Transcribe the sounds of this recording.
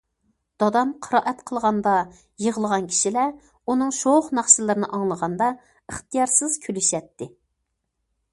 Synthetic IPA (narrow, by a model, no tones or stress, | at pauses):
d̪̥ɑd̪ɑmqʰəɾɑːʔɛt̪qʰəlˠʁɑnd̪ɑ | jeʁəlˠəʁɑnkʲʰi̥ʃilɛ | unɨŋʃoχnɑχʃɨlˠɨɾɨnɨʔɑŋlˠəʁɑnd̪ɑ | əχt̪ɨjɑɾsɨz̥kʲʰylyʃɛt̪ʰːɪ